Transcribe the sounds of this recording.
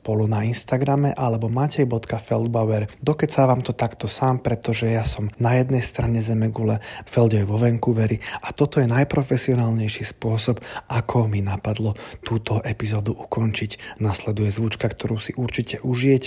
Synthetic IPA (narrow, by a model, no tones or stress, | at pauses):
spɔlunainst̪aɡɾamɛʔalɛbɔmaːcɛjbɔt̪kafɛld̪̚baʊɛɾd̪ɔkɛcsaʋaːmt̪ɔt̪akt̪ɔsaːmpɾɛt̪ɔʒɛjasɔmnajɛd̪nɛjst̪ɾaɲɛzɛmɛɡulɛfɛld̪ɔjʋɔʋɛŋkuʋɛɾiat̪ɔt̪ɔjɛnajpɾɔfɛsiɔnaːlɲɛjʃispʊɔsɔbakʰɔminapad̪lɔt̪uːt̪ɔʔɛpizɔːd̪uʔukɔnt͡ʃicnaslɛd̪ujɛzʋut͡ʃkakt̪ɔɾuːsiʔuɾt͡ʃicɛʔuʒijɛcɛ